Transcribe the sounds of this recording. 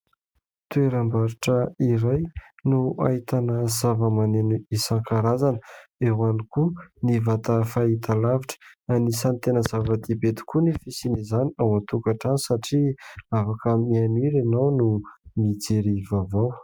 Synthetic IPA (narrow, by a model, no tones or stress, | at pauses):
t̪ueɾambaɾiʈ͡ʂəiɾajnua̰it̪anəzavəmaneniisaŋkaɾazanəewanikunivat̪afait̪alaviʈ͡ʂə̥anisant̪enəzavəd̪ibet̪i̥kunifisinizaniawant̪ukaʈ͡ʂanisaʈ͡ʂiafakəmianiɾenawnumid͡zeɾivavaw